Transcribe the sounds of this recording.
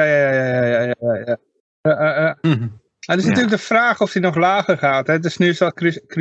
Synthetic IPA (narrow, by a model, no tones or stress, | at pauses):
jaːjajajajajajajaja | jaaa | tɪsnatyələɡ̚dəfraːxɔfdinɔχlaːxərχaːtɛdɪsnyəsɔkkr